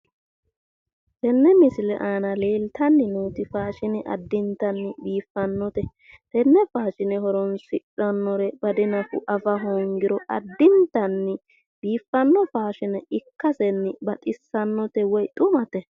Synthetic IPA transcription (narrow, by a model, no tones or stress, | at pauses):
t̪ɛnːɛmɪsɪlɛ̰ʔaːnɐle̞ːlt̪ɐnːɪnuːt̪ɪfaːʃɪnɪʔɐ̰d̪ːɪnt̪ɐnːɪbiːfːɐnːɔt̪ɛ | t̪ɛnːɛfaːʃɪnɪɦɔɾɔnsɪᶑɐnːɔɾɛbɐd̪ɪnɐfʊ̰ʔɐfɐɦɔŋɡɪɾɔʔɐ̰d̪ːɪnt̪ɐnːɪ | biːfːɐnːɔfaːʃɪnɛɪkːɐsɛnːɪbɐt̪ʼɪsːɐnːɔt̪ɛwɔjt̪ʼʊmɐt̪ɛ